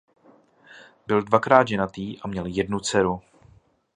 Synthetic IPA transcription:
bɪldvakɾaːd̪ʒɛnat̪iːʔamɲɛljɛdnut͡sɛɾu

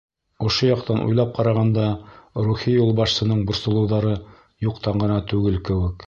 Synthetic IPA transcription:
ŏʃojɑqt̪ɑnʔṵjlˠɑp̚qʰɑɾɑʁɑnd̪ɑɾuχijulˠbɑʃsɤ̆nɤɴbŏɾsŏlˠɤ̆wðɑɾɤ | juqt̪ɑɴɢɤ̆nɑt̪ʉɡɘlkɘ̆wɘ̆k

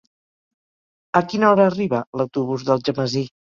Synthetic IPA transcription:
əkinəɔɾəːriβələwt̪uβ̞uzðəlˠʒəməzi

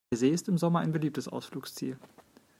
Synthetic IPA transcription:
ɐzeːɪstɪmzɔmɐa̰ɪnbəliːp̚təsʔa̰ʊsfluːkst͡sḭːl

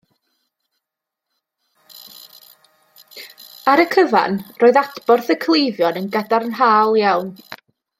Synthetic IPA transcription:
aɾəkʰəva̰nroːɨðadb̥ɔrθəkʰlˠejvjɔnənɡadarnɦaːlˠjawn

